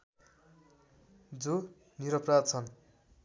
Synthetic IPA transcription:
d͡zo | niɾʌprad̪̚t͡sʰʌn

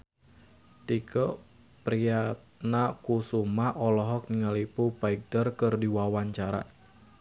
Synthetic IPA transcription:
t̪ikɔ | pɾiat̪ | nakusumaʔɔlɔɦɔk̚niŋalipupaik̚dərkɨrdiwawaɲt͡ʃaɾa̰

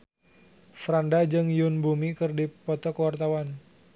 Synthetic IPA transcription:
fɾandad͡ʒɨŋjunbumikɨrdipɔt̪ɔkəwart̪awan

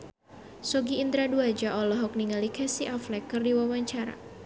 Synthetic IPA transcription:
sɔɡiːnd̪ɾaduad͡ʒaʔɔlɔɦɔk̚niŋalikɛsiʔaflɛkərdiwawaɲt͡ʃaɾa̰

